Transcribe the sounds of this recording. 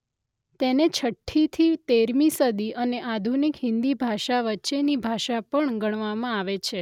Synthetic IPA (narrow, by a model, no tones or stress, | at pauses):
t̪enet͡ʃʰəʈʰːit̪ʰit̪eɾmisəd̪iʔəneʔad̪ʱunikɦɪ̃nd̪ibʱaʃaʋətːʃenibʱaʃapəɳɡəɳ̃ʋamãaʋet͡ʃʰe